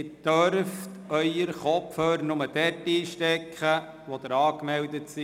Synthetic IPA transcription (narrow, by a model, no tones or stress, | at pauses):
d̥œɾft | œʏəɾχɔpfhøːɾnʊməd̥ɛtiːʃtɛkχə | ʋɔd̥̪əɾɑːkmɛldətsi